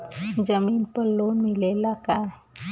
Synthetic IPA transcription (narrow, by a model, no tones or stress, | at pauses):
d͡ʒəmiːnpəɾloːnmilelaka